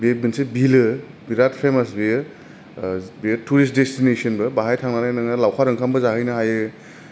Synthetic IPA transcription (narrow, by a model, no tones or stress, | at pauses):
bebɯnsebilɯ | biɾat̚pʰemasbi | bituɾist̚destinesɐnbɯbaɦajtʰaŋnanajnaŋnɐlawkʰaɾɯŋkʰambɐzaɦɯjnɐɦajɯ